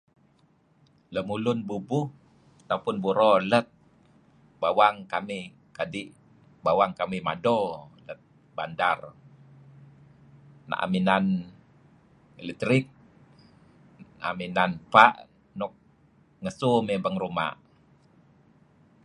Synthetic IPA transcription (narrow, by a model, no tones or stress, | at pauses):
ləmulʊnbubʊh | at̪apʊnbuɾɔlət̪̚ | bawaŋkamih | kadiʔ | bawaŋkamima̰dɔlət̪̚ | bandar | na̰ʔa̰minan | elɛt̪ɾik̚ | aa̰minanpaʔ | nɔk̚ | ŋəsumɛbaŋɾuma̰ʔ